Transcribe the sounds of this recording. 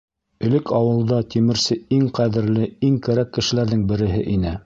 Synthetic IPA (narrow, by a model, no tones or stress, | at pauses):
ɵ̆lɘkʰɑwɤ̆lˠd̪ɑt̪imɘ̆ɾsɘiŋqæðɘ̆ɾlɘiŋkæɾækːɘ̆ʃɘ̆læɾðɘŋbɘ̆ɾɘ̆ɦɘʔinɘ